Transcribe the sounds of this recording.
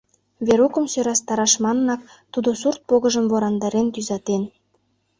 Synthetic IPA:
βeɾukə̆msøɾɑst̪ɑɾɑʃmɑnənɑk̚ | t̪ud̪osurt̪̚poɣə̆ʒəmvoɾɑnd̪ɑɾent̪yzɑt̪en

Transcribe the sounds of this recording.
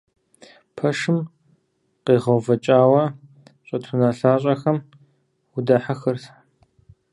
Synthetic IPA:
pʰɐʂɨm | qeːʁɐwvɐt͡ʃʼaːwɐ | ɕʼɐtʰʊnaːɬaːɕʼɐxɐm | ʊdɐħaxɨrtʰ

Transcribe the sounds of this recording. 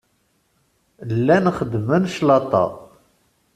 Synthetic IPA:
lːænχəd̪ːmənʃlɑt̪ˤɑ̰

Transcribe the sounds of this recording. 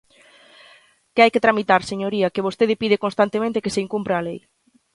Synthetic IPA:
kɪajkɪt̪ɾamit̪aɾseɲoɾiɐkeβ̞ost̪eðɪpiðekonst̪ant̪emẽnt̪ɪkeseiŋkumpɾaːlej

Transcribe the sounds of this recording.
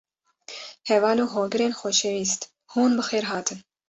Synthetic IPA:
hɛvɑːluːɦoːɡɨɾeːnxoʃewiːst̪ | huːnbɨxeːɾɦɑːt̪ʰɨn

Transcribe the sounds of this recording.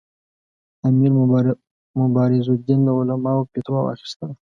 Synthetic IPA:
amiɾ | mʊbɑɾɪzod̪ind̪əʊlamɑwpet̪wɑwɑ̰xi̥st̪əl

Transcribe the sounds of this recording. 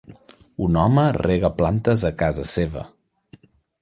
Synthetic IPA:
unɔməreɣəplant̪əzəkazəseβə̰

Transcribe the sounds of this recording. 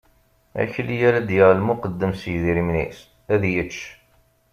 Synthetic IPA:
æ̰çəlijæɾæd̪jəʁlmʊqəd̪ːəmsəjðiɾimnḭs | æðjət͡ʃː

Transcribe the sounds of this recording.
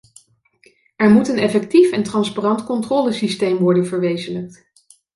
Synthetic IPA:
ɛɹmutənɛfɛk̚tifɛntrɑnsparɑntkɔntrɔːləsistejmʋɔɹdənvəɹʋejzələk̚t

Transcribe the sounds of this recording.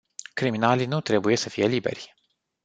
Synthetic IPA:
kɾiminalinut̪ɾe̞buje̞səfije̞libe̞̰rʲ

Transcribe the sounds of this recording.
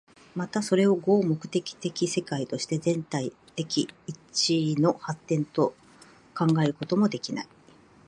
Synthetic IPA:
mat̪aso̞ɾe̞o̞ɡo̞ːmo̞kɯ̟̥t̪e̞kʲi̥t̪e̞kʲise̞kait̪o̞ɕi̥t̪e̞zẽ̞nt̪ai | t̪e̞kʲiːt͡ɕino̞hat̪ːẽ̞nt̪o̞ | kãŋɡaeɾɯ̟ko̞t̪o̞mo̞d̪e̞kʲina̰i

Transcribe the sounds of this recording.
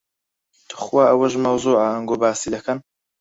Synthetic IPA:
tt̪ʰu̥xwaːʔɐwɐʒmɐwzuːʕaɐŋɡoːbaːsid̪ɐkʰɐn

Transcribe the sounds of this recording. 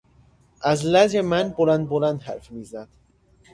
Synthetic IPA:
ʔæzlæzemænbolænd̪̚bolænd̪ɦæ̰ɾfmiːzæd̪̥

